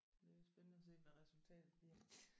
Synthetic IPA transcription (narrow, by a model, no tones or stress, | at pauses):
d̥e̝sb̥ennəɒse̝̰̥ːmæʁɛsult͡sʰɛ̰ːd̥ð̩ˠd̥ihæ